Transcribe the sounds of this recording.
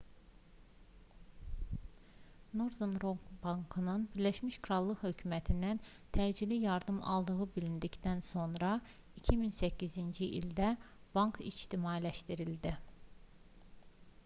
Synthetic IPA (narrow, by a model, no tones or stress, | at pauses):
noɾzunɾobɑŋkʰɯnɯnbiɾlæʃmiʃkʰɾɑlˠːɯhø̞cʰymæt̪ʰind̪æn | t̪ʰæːd͡ʒilijɑɾd̪ɯmɑ̰lˠd̪ɯɣɯbilind̪ict̪ænso̞nɾɑ | icʰiminsæcːizind͡ʒiʔḭld̪æb̥ɑŋkʰḭd͡ʒt̪ʰimɑilæʃt̪iɾilʲd̪i